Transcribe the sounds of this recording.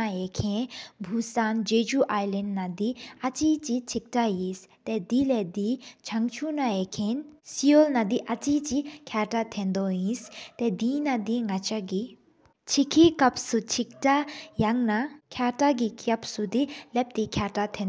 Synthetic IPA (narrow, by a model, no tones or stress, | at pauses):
aekʰẽbʱusand͡ʒed͡ʒuʔaːjlenɖnad̪iɐt͡ʃit͡ʃit͡ʃʰik̚ʈajis | t̪ɛd̪ilɛd̪it͡ʃʰɐŋt͡ʃʰunaekʰensijolnad̪iʔɐt͡ʃit͡ʃikʰjaːʈat̪ʰẽnd̪oĩst̪ɛd̪iːnad̪iŋɡɐt͡ʃaɡi | t͡ʃʰikʰikɐpsut͡ʃʰik̚ʈajaŋnakʰjaːʈaɡikʰɐpsud̪ilɛp̚t̪ikʰjaːʈat̪ʰẽn